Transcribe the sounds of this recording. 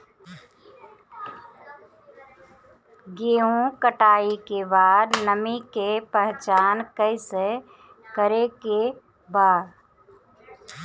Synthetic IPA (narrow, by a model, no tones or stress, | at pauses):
ɡeːɦũkəʈaːikebaːd̪nəmikepɛɦt͡ʃaːnkəɪse | kəɾeke | baːd̪